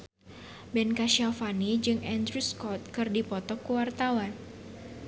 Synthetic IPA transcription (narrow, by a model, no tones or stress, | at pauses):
bɛnkaʃiafanid͡ʒɨŋɛnd̪ɾuskɔt̪̚kɨrdipɔt̪ɔkuwart̪awan